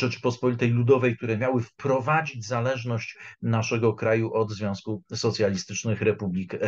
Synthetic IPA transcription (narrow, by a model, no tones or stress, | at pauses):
ʐɛt͡ʂɘ̥pɔspɔlʲit̪ɛjlud̪ɔvɛjk̚t̪uɾɛmʲjawɘfpɾɔvad͡ʑid͡ʑzalɛʐnɔɕt͡ɕnaʂɛɡɔkɾajuʔɔd̪zvʲjɔ̃w̃skusɔt̪sʲjalʲist̪ɘt͡ʂnɘxɾɛpublʲik